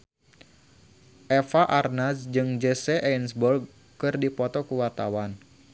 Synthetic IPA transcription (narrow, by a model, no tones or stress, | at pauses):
ʔɛfaʔarnasd͡ʒɨŋd͡ʒəsɛʔɛinsbɔrɡ̚ | kɨrdipɔt̪ɔkəwart̪awan